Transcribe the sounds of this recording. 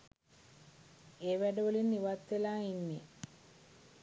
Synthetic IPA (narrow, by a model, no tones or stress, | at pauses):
eːʋæɖəʋəlinːiʋat̪ːelaːinːe